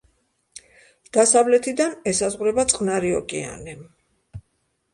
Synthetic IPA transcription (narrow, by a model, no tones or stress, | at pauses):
d̪̥asavlɛt̪ʰid̪anɛsazʁuɾɛbat̪sʼqʼnaɾiɔkʼɛa̰nɛ